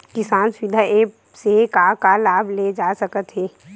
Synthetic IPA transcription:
kɪsaːnswɪd̪ʱaeː | sekakalaːbʱled͡ʒaːsəkət̪ɦɛː

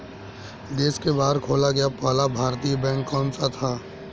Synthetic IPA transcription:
d̪eːskebaːd̪kʰoːlaɡɐjapaːlabʱaːɾt̪ijbɛ̃ːŋkːɔ̃ːnsat̪ʰaː

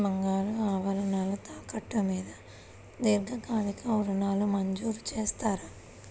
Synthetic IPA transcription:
bɐŋɡaːluaːʋɐlɐnaːlut̪aːkɐʈːɐmiːd̪ɐ | d̪iːɾɡ̪ɐkaːd̪ikɐuɾunaːlːumɐɲd͡ʒuːɾut͡ʃeːst̪aːɾa

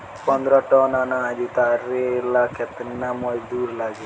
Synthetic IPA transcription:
pənd̪ɾaʈɔːnaːnad͡ʒ̪it̪aːɾelaːkʰet̪namod͡ʒd̪uːɾlaːɡi

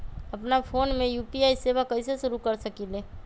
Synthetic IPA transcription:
əpnapʰoːnmẽjupiaːisebakəɪsesʊɾukəɾsəkile

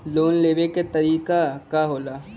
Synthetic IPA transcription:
loːnleːʋeket̪ɐɾiːkakaɦoːlaː

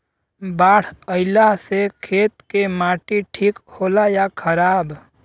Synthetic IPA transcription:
baːɽ̤əɪlasekʰeːt̪̚kemaːʈiʈʰiːkhoːlajakʰəɾaːb

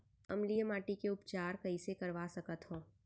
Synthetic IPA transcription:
ɐmlijəmaːʈikeʊpt͡ʃaːɾkɐɦisekɐɾʋasɐkət̪ɦõː

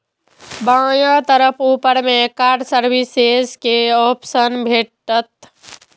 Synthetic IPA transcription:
bãːjãt̪əɾəpʰuːpəɾmekaːɾɖsəɾbisezkeɔpsənbʱeʈːət̪

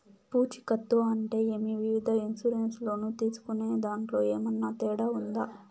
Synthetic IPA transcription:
puːt͡ʃi̥kɐt̪ːoɐɳʈe̞ːeːmiʋiʋid̪ʱɐinsuɾenslo̞ːnuːt̪iːsu̥kune̞ːd̪aːɳʈlo̞ːeːmɐnːat̪ɛːɽaund̪aː

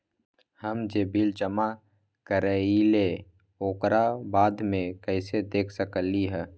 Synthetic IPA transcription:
həmd͡ʒeːbild͡ʒəma | kəɾẽile | oːkɾabaːd̪mẽkɛɪsed̪eːkʰsəkəliɦɛː

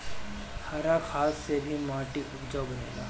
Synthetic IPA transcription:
haːɾaxʰaːsːebʱimaːʈiʔʊbd͡ʒaːwbɐnḛːla̰ː

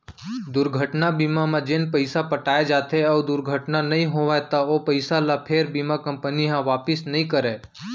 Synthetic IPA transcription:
d̪ʊɾɡʱəʈnabiːmamãd͡ʒɪnpəɪsapəʈaːed͡ʒaːt̪eɔːd̪ʊɾɡʱəʈnanɐɦĩɦoːʋat̪aopəɪsalapʰeːɾbiːmakɐ̃mpəniɦãʋaːpɪsnɐɦĩkəɾeː

